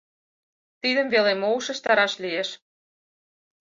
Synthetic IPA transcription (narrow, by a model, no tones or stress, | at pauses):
t̪iðə̆mvelemouʃə̆ʃt̪ɑɾɑʃlieʃ